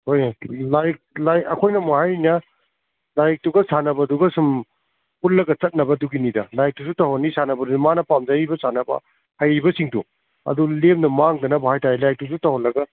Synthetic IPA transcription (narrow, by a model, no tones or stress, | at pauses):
hojlajk̚lajɐkʰojnɐmuhajinɐ | lajk̚tuɡɐsanɐbɐduɡɐsum | hullɐɡɐt͡ʃɐt̚nɐbɐduɡinidɐlajk̚tusutɐɦɔnːisanɐbɐdumanɐpamd͡ʒɐibɐsanɐbɐ̰ | hajibɐsiŋtṵ | ɐ̰dulemnɐmaŋdɐnɐbahajtajelajik̚tusutawhɔnlɐɡɐ